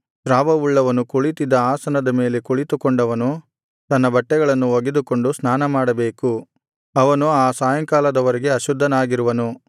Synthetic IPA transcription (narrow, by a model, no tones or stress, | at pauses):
ʃɾaːʋɐuɭːɐʋɐnukuɭit̪id̪ːɐaːsɐnɐd̪ɐme̞ːle̞kuɭit̪ukoɳɖɐʋɐnu | t̪ɐnːɐbɐʈːɛɡɐɭɐnːuoɡed̪uko̞ɳɖusnaːnɐmaːɽɐbe̞ːku | ɐʋɐnuaːsaːjɐŋkaːlɐd̪ɐʋɐɾɛɡe̞ɐʃud̪ʱːɐnaːɡiɾuʋɐnu